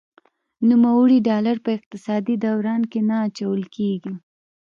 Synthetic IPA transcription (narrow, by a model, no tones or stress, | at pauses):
numawəɽiɖɑlaɾpəɪq̚t̪ɪsɑd̪id̪awɾɑnkenaːt͡ʃawəlkeɡi